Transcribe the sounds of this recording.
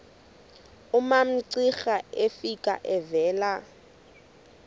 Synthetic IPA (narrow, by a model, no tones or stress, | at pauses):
ʊmam̩ǀixaefikʼa̰ʔɛvɛːla